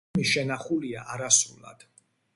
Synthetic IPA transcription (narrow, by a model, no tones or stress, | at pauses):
miʃɛnaχuliaʔaɾasṵla̰d̪̥